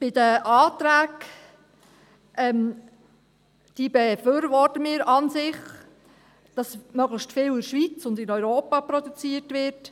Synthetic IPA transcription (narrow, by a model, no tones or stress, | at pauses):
b̥ɪdəʔɑːt̪ɾæːk | ʔɛm | d̥iːbɛfyːɾvɔtəmɪːɾɑnsɪχ | d̥ɑsmœɡləʃstfɪːlɪɾʃʋit͡sʊndɪnœʏɾoːpɑpɾɔdut͡siətvɪɾt